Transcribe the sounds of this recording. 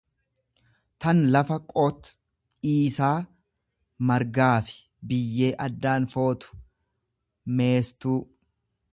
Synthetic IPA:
t̪ɐnlɐfɐkʼɔːt̪ | iːsaː | mɐɾɡaːfɪ̥ | bɪjːe̞ːʔɐd̪ːaːnfo̞ːt̪ʊ̥ | me̞ːst̪uː

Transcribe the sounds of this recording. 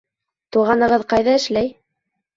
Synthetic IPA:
t̪uʁɑnɤ̆ʁɤðqɑjðɑɘ̆ʃlæj

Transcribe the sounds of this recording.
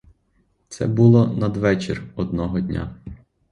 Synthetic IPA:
t̪sɛ̰bulˠɔnɐd̪ʋɛt͡ʃɪ̰rɔd̪̚nɔɦɔdʲnʲa̰

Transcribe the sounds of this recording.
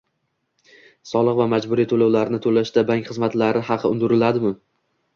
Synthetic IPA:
sɒlˠɨqvamad͡ʒbʊɾit̪ʰolawlaɾnɪt̪ʰolaʃd̪abaŋʲkʲχɨzmat̪laɾɪhɑqʰɨʊnd̪ʊɾɪlad̪ɪmʊ

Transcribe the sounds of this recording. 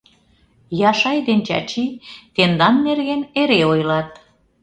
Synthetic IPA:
jɑʃɑjd̪ent͡ɕɑ̰t͡ɕit̪end̪ɑnːerɣeneɾeojlɑt̪̚

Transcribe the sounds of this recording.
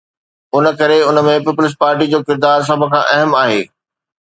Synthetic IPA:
ʊnə̆kɐɾeʊnə̆mẽpiːpʊlɪs̬̚paːɾʈid͡ʑoːkɪɾd̪aːɾs̬ɐbʱʊ̆kʰãːʔɐɦəmaːɦḛː

